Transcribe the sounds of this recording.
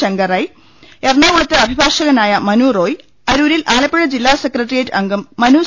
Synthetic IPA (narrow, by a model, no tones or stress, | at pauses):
ɐŋɡɐrɐj | ernaːʋuɭɐt̪ːɨɐbʱibʱaːʂɐɣɐnaːjɐmɐnuːro̞ːj | ɐɾuːɾilʔaːlɐpːeɻɐd͡ʑilːaːsekrɐʈːrijɐtːɨɐŋɡɐmːɐnuː